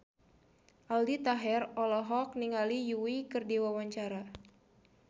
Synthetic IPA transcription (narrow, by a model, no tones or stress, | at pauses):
ʔaldit̪aɦɛrɔlɔɦɔk̚niŋalijuikɨrdiwawaɲt͡ʃaɾa